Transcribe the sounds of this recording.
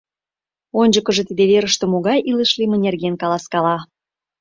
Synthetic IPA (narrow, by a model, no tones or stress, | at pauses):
onʲd͡ʑəkə̆ʒet̪id̪eβeɾəʃt̪ĕmoɣɑjʔiləʃlimə̆nʲerɣenkɑlɑskɑlɑ